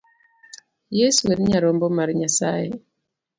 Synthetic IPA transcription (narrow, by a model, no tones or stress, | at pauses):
jesuwenɲaɾɔmbɔmaɾiɲasa̰je